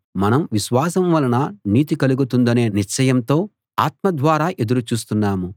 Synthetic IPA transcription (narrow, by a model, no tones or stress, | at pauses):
mɐnɐmʋiʃʋaːsɐmʋɐlɐnɐniːt̪̬ikɐluɡut̪und̪ɐne̞ːniɾt͡ʃɐjɐmt̪o̞ː | aːt̪̚mɐd̪ʋaːɾaːʔe̞d̪uɾut͡ʃuːst̪unːaːmu